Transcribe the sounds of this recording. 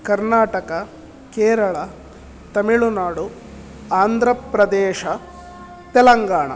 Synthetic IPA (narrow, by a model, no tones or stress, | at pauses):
kɐɾnaːʈɐkɐ | keːɾɐɭɐ | t̪ɐmiɭunaːɽu | aːnd̪ʱɾɐpɾɐd̪ɛːʃɐ | t̪ɛlɐŋɡaːɳɐ̰